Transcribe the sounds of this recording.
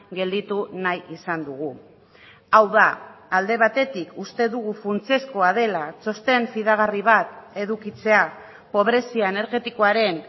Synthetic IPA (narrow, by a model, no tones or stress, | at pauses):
ɡe̞ld̪it̪unajisand̪uɣu | awðaːld̪e̞β̞at̪e̞t̪ikust̪e̞ðuɣ̞ufunt͡siesko̞að̞e̞lat͡so̞st̪e̞ɱfiðaɣ̞ariβ̞at̪e̞ðukit͡se̞a | po̞β̞ɾe̞siaene̞ɾɣe̞t̪iko̞aɾe̞n